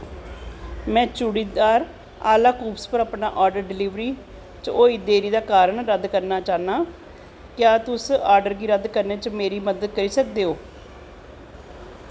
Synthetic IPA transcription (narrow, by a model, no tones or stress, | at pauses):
mɛ̃ːt͡ʃuɽiːd̪aːɾ | a̰ːlaːkuːpspəɾəpnaːʔaːɾɖəɾɖɪliːʋɾiː | t͡ʃoːiːd̪eːɾiːd̪aːkaːɾəɳɾəd̪kəɾnaːt͡ʃaːnaː | kjaːt̪ʊsaːɾɖəɾɡiːɾəd̪kəɾneːt͡ʃmeːɾiːməd̪əd̪̚kəɾiːsək̚d̪eːɦoː